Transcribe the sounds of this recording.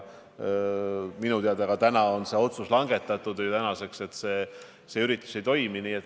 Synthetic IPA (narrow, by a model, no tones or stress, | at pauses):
minut̪eɑd̪eɑɡ̥ɑt̪ænɑo̞nse̞o̞t̪suslɑŋɡ̥e̞t̪ːˑɑt̪ːˑud̪̥ɨjt̪ænɑse̞kse̞t̪se̞ː | seyɾit̪ːˑu̥se̞jt̪o̞jminiːet̪ː